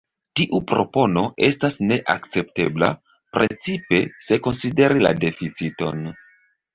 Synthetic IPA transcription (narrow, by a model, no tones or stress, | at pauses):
tiʔupɾo̞̰po̞no̞ʔe̞stasne̞ʔa̰kt͡se̞p̚te̞bla̰ | pɾʔe̞t͡sipe̞se̞ko̞nside̞ɾila̰de̞fit͡sito̞̰n